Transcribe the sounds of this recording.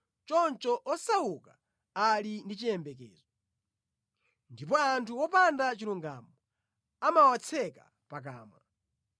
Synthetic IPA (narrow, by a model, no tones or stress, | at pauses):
t͡ʃɔnt͡ʃɔʔɔsawuka | alindit͡ʃijɛmbɛkɛ̰ːzɔ | ndip̬ɔantʰuwɔpandat͡ʃiluŋɡa̰mɔ | amawat͡sʰɛka | pak̬aːmwa̰